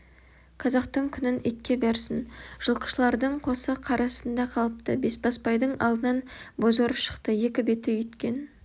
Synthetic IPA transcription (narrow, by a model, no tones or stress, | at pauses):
qʰɑzɑqt̪əɴkʲʰʏnɪnet̪kʲe̞beɾsɪnʒ̥əlˠqə̥ʃlˠɑɾd̪əɴqʰo̞səqʰɑɾɑsənd̪ɑqʰɑlˠəp̚t̪əbe̞sbɑspɑjd̪əɴɑ̰lˠd̪ənɑnbo̞zoɾəpʃə̥qt̪əje̞kʲɪbe̞t̪ɪjʏt̪kʲe̞n